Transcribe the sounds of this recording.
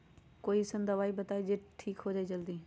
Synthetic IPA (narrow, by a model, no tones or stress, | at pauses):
koːisə̃nd̪əʋaːibət̪aːid͡ʒeʈʈʰiːkɦoːd͡ʒaːid͡ʒəld̪iː